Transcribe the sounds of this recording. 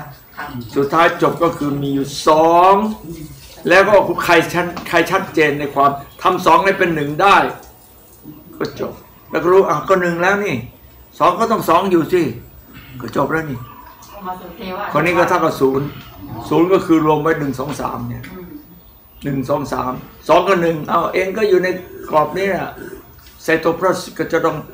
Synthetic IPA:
su˨˩t̪ʰːaː˦˥jt͡ɕo˨˩p̚kɔː˥˩kʰɯː˧miː˧juː˨˩sɔː˨˩˦ŋ | lɛː˦˥wkɔː˥˩kʰu˧kʰa˧jt͡ɕʰa˦˥t̪̚kʰa˧jt͡ɕʰa˦˥t̪̚t͡ɕeː˧nːa˧jkʰwaː˧mt̪ʰa˧msɔː˩˦ŋna˥˩pe˧nːɯ˨˩ŋdaː˥˩j | kɔː˥˩t͡ɕo˨˩p̚ | lɛː˦˥˩wkːɔ˥˩ɾuː˦˥ʔaː˧˩kɔː˥˩nɯ˨˩ŋlɛː˦˥wniː˧˩sɔː˨˦ŋkɔː˥˩t̪ɔ˥˩ŋsɔː˨˩˦ŋjuː˨˩siː˧˩kɔː˥˩t͡ɕo˨˩p̚laː˦˥˩niː˧˩ | kʰɔː˧niː˦˥kɔː˥˩t̪ʰaː˥˩ka˧˥˩suː˩˦nsuː˩˦nkɔ˥˩kʰɯː˧ɾu˧əmwa˦˥jnɯ˨˩ŋsɔː˩˦ŋsa̰ː˩˦mni˥˩ɐ | nɯ˨˩ŋsɔː˩˦ŋsa̰ː˩˦msɔː˨˦ŋkɔː˥˩nɯ˨˩ŋʔa˧˩wʔeː˧ŋkɔː˥˩juː˨˩na˧jklɔː˨˩p̚niː˦˥ni˧˩saː˨˩t̪o˧˩pʰɾɔː˥˩skɔː˥˩t͡ɕa˨˩t̪ɔ˥˩ŋ

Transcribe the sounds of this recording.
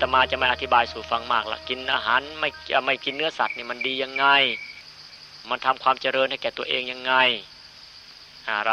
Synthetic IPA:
t̪ːmaː˧t͡ɕa˧˦ma˥˩jʔa˧t̪ʰi˦baː˧jsuː˨˦fa˧ŋmaː˥˩k̚la̰˧˩ki˧nʔaː˧ɦaː˨˦nma˧˩jma˧˥˩jki˧nːɯ˧˥ɐsa˨˩t̪̚niː˧˩ma˧˥ndiː˧ja˧ŋːa˧˩j | ma˧nt̪ʰa˧mkʰwaː˧mt͡ɕa˧ɾɤː˧nha˧˩jkɛː˨˩t̪u˧ɐʔeː˧ŋja˧ŋːa˧˩j | ʔaː˧˩˧

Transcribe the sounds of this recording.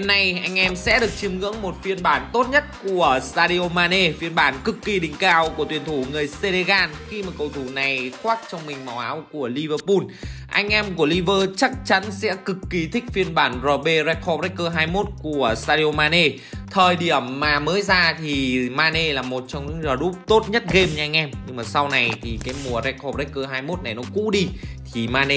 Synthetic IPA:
na˨˩jʔa˧jŋ̟ʔɛ˧msɛ̰˧˥ɗɨ˨˩ək̚t͡ɕi˧əmŋɨ̰˧˥əŋmo˨˩t̚fi˧ənɓaː˧˩nt̪o˦˥t̚ɲə˦˥t̚ku˧˩əst̪aː˧ɗi˧o˧maː˧ne˧fi˧ənɓaː˧˩nkɨ˨˩kːi˨˩ɗï˨˩ŋ̟kaː˧wku˧˩ət̪wi˨˩ənt̪ʰu˧˩ŋɨ˨˩əjse˧le˧ɣaː˧nxi˧maː˨˩kə˧˩wt̪ʰu˧˩na˨˩jxwaː˦˥k̚t͡ɕɔ˧wŋ͡mmï˨˩ŋ̟ma˨˩wʔaː˨˦wku˧˩əli˧vəː˧pu˧nʔa˧jŋ̟ʔɛ˧mku˧˩əli˧vəː˧t͡ɕa˦˥k̚t͡ɕa˨˦nsɛ̰˧˥kɨ˨˩kːi˨˦t̪ʰï˦˥k̟̚fi˧ənɓaː˧˩nzɔ˨˩ɓe˧zɛ˦˧˥k̚ʰɔ˧ɾɛ˦˥k̚kːəː˧ɦaː˧jmo˦˥t̚ku˧˩əst̪aː˧ɾi˧o˧maː˧ne˧ | t̪ʰəː˨˩jɗi˧˩əmːaː˨˩məː˨˦jzaː˧t̪ʰi˨˩maː˧ne˧laː˨˩mo˨˩t̚t͡ɕɔ˧wŋ͡mɲɨ̰˧˥ŋzəː˨˩ɗu˦˥p̚t̪o˦˥t̚ɲə˦˥t̚ɣe˧mɲɨ˧ʔa˧jŋ̟ʔɛ˧mɲɨ˧ŋmaː˨˩sa˧wna˨˩jt̪ʰi˨˩kaː˨˦jmu˨˩əzɛ˧˥k̚ɔ˧ɾɛ˦˥k̚kəː˧ɦaː˧jmo˦˥t̚na˨˩jnɔ˨˦kṵ˧˥ɗi˧t̪ʰi˨˩maː˧ne˧

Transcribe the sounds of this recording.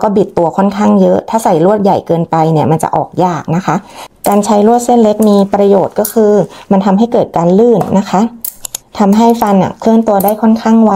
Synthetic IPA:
kɔː˥˩bi˨˩t̪ːu˧ɐkʰɔ˥˩nkʰaː˥˩ŋjɤ˦˥ʔt̪ʰaː˥˩sa˨˩jɾu˥˩ət̪̚ja˨˩jkɤː˧npa˧jni˧˩ɐma˧nt͡ɕa̰˨˩ʔɔ̰ː˨˩k̚jaː˥˩k̚na˦˥kʰa˦˥ʔkaː˧nt͡ɕʰa˦˥jɾu˥˩ət̪̚se˥˩nle˦˥k̚miː˧pɾa˧joː˨˩t̪̚kɔː˥˩kʰɯː˧ma˧nt̪ʰa˧mɦa˥˩jkɤː˨˩t̪̚kaː˧nlɯː˥˩nːa˦˥kʰa˦˥t̪ʰa˧mɦa˥˩jfa˧na̰˨˩pʰɯ˥˩nt̪u˧ɐdaː˥˩jkʰɔ˥˩nkʰaː˥˩ŋwa˦˥

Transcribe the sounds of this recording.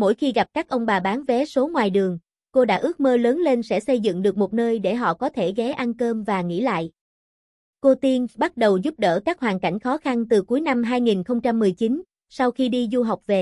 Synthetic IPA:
mo̰˧˥˨jxi˧ɣa˨˩p̚kaː˦˥k̚ʔə˧wŋ͡mɓaː˨˩ɓaː˨˦nvɛ˨˦so˨˦ŋwaː˨˩jɗɨ˨˩əŋ | ko˧ɗa̰ː˧˥ʔɨ˦˥ək̚məː˧ləː˨˦nle˧nsɛ̰˧˥sə˧jzɨ̰˧˨ŋɗɨ˨˩ək̚mo˨˩t̚nəː˧jɗe˧˩ɦɔ̰˧˨kɔ˨˦t̪ʰe˧˩ɣɛ˨˦ʔa˧nkəː˧mvaː˨˩ŋḭ˧˥la̰ː˧˨j | ko˧t̪i˧nɓa˦˥t̚ɗə˨˩wzu˦˥p̚ɗə̰ː˧˩kaː˦˥k̚hɦwaː˨˩nka̰˧˩jŋ̟xɔ˨˦xa˧nt̪ɨ˨˩ku˨˦jna˧mɦaː˧jŋi˨˩nxə˧wŋ͡mt͡ɕa˧mːɨ˨˩əjt͡ɕi˨˦n | sa˧wxi˧ɗi˧zu˧ɦa˨˩wk͡p̚ve˨˩

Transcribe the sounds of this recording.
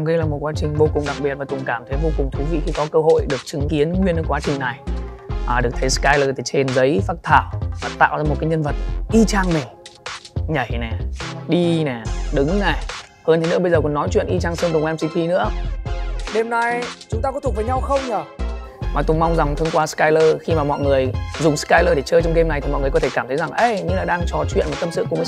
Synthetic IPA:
ŋ͡mɣə˧jlaː˨˩mo˨˩t̚kwaː˨˦t͡ɕï˨˩ŋ̟vo˧kʊ˨˩ŋ͡mɗa˨˩k̚ɓi˨˩t̚vaː˨˩t̪ʊ˨˩ŋ͡mkaː˧˩mt̪ʰə˨˦jvo˧kʊ˨˩ŋ͡mt̪ʰu˨˦vḭ˧˨xi˧kɔ˨˦kəː˧ɦo̰˧˨jɗɨ˨˩ək̚t͡ɕɨ˨˦ŋki˨˦ənŋwi˧ənə˨˦kwaː˨˦t͡ɕï˨˩ŋ̟na˨˩jʔaː˨˩ɗɨ˨˩ək̚t̪ʰːjskaː˧jləː˨˩t̪ʰe˨˩t͡ɕe˧nzə˨˦jfaː˦˥t̚t̪ʰaː˧˩wvaː˨˩t̪a̰ː˧˨wzaː˧m̚˨˩kaː˨˦jɲə˧nvə˨˩t̚ʔi˧t͡ɕaː˧ŋmï˨˩ŋ̟ | ɲə˧˩jnɛ˨˩ɗi˧nɛ˨˩ɗɨ˨˦ŋnɛ˨˩ | həː˧nt̪ʰe˨˦nɨ̰˧˥əɓə˧jzəː˨˩kɔ˧˩nɔ˨˦jt͡ɕwḭ˧˨ənʔi˧t͡ɕaː˧ŋsnɗʊ˨˩ŋ͡mʔɛ˧msi˧t̪ʰi˧nɨ̰˧˥ə | ɗe˧mna˧jt͡ɕʊ˨˦ŋ͡mt̪aː˧kɔ˧˦˥t̪u˨˩və˨˦jɲa˧wxə˧wŋ͡mɲəː˨˩maː˨˩t̪ʊ˧˩ma˧wŋ͡mza˨˩ŋ͡mt̪ʰŋkwaː˧skaː˧jləː˧xi˧maː˨˩mɔ̰˧˨jŋɨ˨˩əjzʊ˨˩ŋ͡mskaː˧jləː˧ɗe˧˩t͡ɕəː˧t͡ɕɔ˧wŋ͡mke˧mna˨˩jt̪i˨˩mɔ̰˧˨jŋ˨˩kt̪ʰe˧˩kaː˧˩t̪ʰə˨˦za˨˩ŋʔə˧jɲɨ˧laː˨˩ɗaː˧ŋt͡ɕɔ˨˩t͡ɕwḭ˧˨nma˨˩t̪ə˧msɨ̰˧˨kməː˨˦

